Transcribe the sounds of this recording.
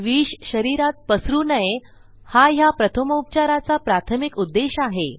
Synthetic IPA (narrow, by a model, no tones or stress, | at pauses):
ʋiːɕɕəɾiɾat̪̚pəsɾuːnəje | hajapɾət̪ʰəmup̚t͡ɕaɾat͡sapɾat̪ʰəmikud̪ːeɕaɦe